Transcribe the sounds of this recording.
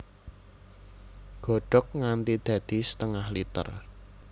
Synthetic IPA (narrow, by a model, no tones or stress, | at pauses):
ɡ̥ɔ̤ɖ̥ɔ̤k̚ŋant̪id̪̥ä̤d̪̥i̤sə̥t̪əŋahlit̪ə̰r